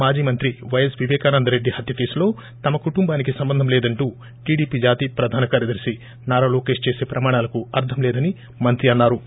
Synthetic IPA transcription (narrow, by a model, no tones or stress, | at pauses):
maːd͡ʒiːmɐnt̪ɾiʋɐjɐsʋiʋɛːkaːnɐnd̪ɐɾe̞ɖːihɐt̪jɐfeːslo̞ː | t̪ɐmɐkuʈumbaːnikisɐmbɐnd̪ʱɐmlɛːd̪ɐɳʈuː | ʈiːɽiːpiːd͡ʒaːt̪iːpɾɐd̪ʱaːnɐkaːɾjɐd̪ɐɾisi | naːɾaːloːkeːʂt͡ʃeːse̞ːpɾɐmaːɽ̃aːlɐkuɐɾt̪ʰɐmlɛːd̪ɐni | mɐnt̪ɾiɐnːaːɾu